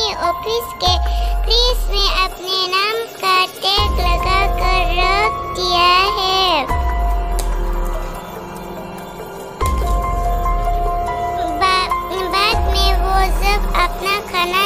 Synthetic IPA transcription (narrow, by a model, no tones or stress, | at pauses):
iʔɔːpʰɪskepɾiːsmẽʔɐpnenaːmkaʈeːklɐɡakəɾːəkk̪ijaɦɛː | baːd̪mẽʋosəbɐpnakʰaːna